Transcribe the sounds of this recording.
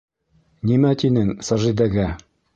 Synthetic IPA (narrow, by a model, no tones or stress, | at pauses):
nimæt̪inɘŋsɑʒid̪æɡæ